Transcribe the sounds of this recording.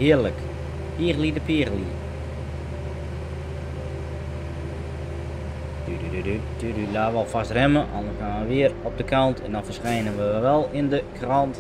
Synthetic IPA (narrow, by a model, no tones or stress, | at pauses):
hɪərlək | piəɣlˠidəpiəɣəli | d̥yddydy | dydylaːʋɔlˠfastrɛməʔɑ̰ndəshaːnʋəʋɪərɔp̚dəkʰɑntʰɛ̰ndɔnfərsχɛjnənʋəʋʋɛlˠɪndəkrɔnt